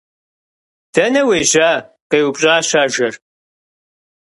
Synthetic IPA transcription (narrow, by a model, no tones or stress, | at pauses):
d̥ɐnɐweːʒaː | qeːwʊpʼɕʼaːɕaːʒɐr